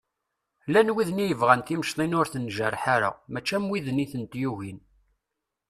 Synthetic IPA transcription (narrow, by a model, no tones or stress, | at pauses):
lænwiðnijəvʁænt̪iməʃt̪ˤinʊɾθənʒəɾˤħaɾa̰ʁmæt͡ʃːæmwiðniθənt̪juʝin